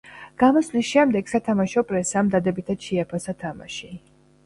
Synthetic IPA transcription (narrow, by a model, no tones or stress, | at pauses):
ɡ̥amɔslisʃɛmd̪ɛɡ̥sat̪ʰamaʃɔpʼɾɛsaːmd̪ad̪ɛbit̪ʰad̪̥ʃɛapʰasat̪ʰama̰ʃi